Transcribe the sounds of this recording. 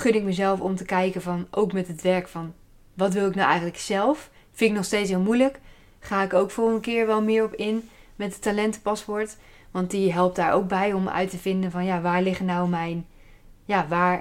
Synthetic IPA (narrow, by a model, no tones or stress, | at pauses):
χɵdɪkməzɛlˠfɔmtəkɛjkənvɑnʔowkmɛtətʋɛɹkfɑn | ʋɑtʋɪlˠɪknawʔɛ̰jχənləksɛlˠf | fɪnɪknɔχstejts̬ɦɪːlˠmujlək | χaːɪkəɹowkfɔlˠχəndəkɪːɹʋɛlˠmɪːɹɔpɪnmɛt̚dətalɛntəpɑspɔɹt | ʋɑntiɦɛlˠp̚tdaːɹʔo̰wk̚bɛjɔmœ̰ɥtəvɪndənvɑnjaːʋaːɹlɪχənawmɛjn | jaːʋaːɹ